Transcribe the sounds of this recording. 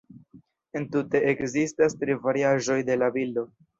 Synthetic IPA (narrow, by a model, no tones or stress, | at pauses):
e̞ntute̞ʔekzistastɾivaɾiaʒo̞jde̞labildo̞